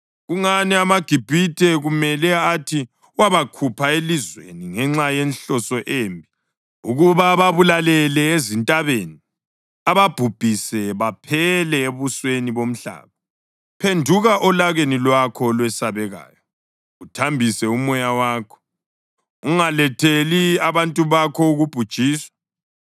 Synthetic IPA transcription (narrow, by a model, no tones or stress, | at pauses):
ɣuŋanɛamaɡ̥ʱib̥ʱitʰɛɣumɛlɛatʰi | waβakʰupʰaelizwḛniŋɛŋ͡ǁajenɬɔsɔʔeːmbʱi | uɣuβaβaβulalɛlɛezintʼaβeni | aβab̥ʱub̥ʱisɛβapʰɛlɛeβusweniβom̩ɬa̰ːβɔ | pʰendʱuɣaʔɔlaɣenilwakʰɔlwɛsaβɛɣa̰ːjɔ | utʰambʱisɛumɔjawaːkʰɔ̥ | uŋalɛtʰeliaβantʼuβakʰɔuɣub̥ʱud̥ʒ̥ʱiːswa